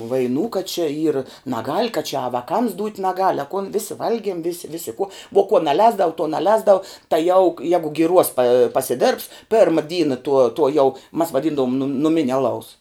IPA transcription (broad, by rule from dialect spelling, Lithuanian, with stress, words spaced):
ʋɐɪˈnuː kɐt t͡ʃʲɛ iːr nɐˈɡɐlʲ kɐ t͡ʃʲɛ ɐ ʋɐˈkɐms duːtʲ nɐˈɡɐlʲ ɐ kʊn ˈʋʲɪsʲɪ ˈʋɐlʲɡʲiɛm ʋʲɪs ˈʋʲɪsʲɪ kʊ ʋoː kuɔ nɐˈlʲɛːzdɐʋʊ tuɔ nɐˈlʲɛːzdɐʋʊ tɐɪ jɛʊ jɛɡʊ ɡʲɪˈruɔs pɐ pɐsʲɪˈdʲeːrps ˈpʲɛrmɐ ˈdʲiːnɐ tuɔ tuɔ jɛʊ mɐs ʋɐˈdʲiːndɐʋʊm nʊ nʊˈmʲɪnʲɛ ɐˈlˠɐʊs